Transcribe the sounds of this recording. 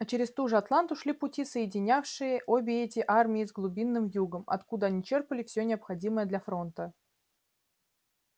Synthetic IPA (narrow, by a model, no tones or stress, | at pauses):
ɐt͡ɕɪɾʲɪst̪uʐɨɐt̪lˠant̪ʊʂlʲipʊtʲisəjɪdʲɪnʲafʂɨjəʔobʲɪɛtʲɪʔarmʲɪːzɡlˠʊbʲinːɨmjuɡəmɐ̰t̪kud̪əɐnʲit͡ɕerpəlʲɪfsʲonʲɪɐpxɐdʲiməjəd̪lʲɐfɾo̞nt̪ə